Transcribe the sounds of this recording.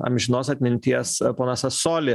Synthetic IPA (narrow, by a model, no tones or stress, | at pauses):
ɐ̰mʲʒʲɪnoːsɐt̪ʲmʲɪnʲt̪ʲiɛspoːnɐsɐsoːlʲɪ